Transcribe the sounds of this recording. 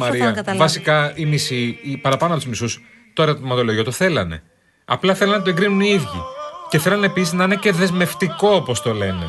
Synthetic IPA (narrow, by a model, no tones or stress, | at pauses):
mɐɾiɐvɐsikɐimisipɐɾɐpɐnoɐpt̪uzmisus | t̪oeɾot̪imɐt̪o̞loʝot̪oθe̞lɐ̰ne̞̰ | ɐ̰plɐθe̞lɐnːɐt̪oe̞ɡɾinuniiðʝice̞θe̞lɐneːpisiznɐine̞ce̞ðe̞zme̞ft̪iko̞opo̞st̪o̞le̞ne̞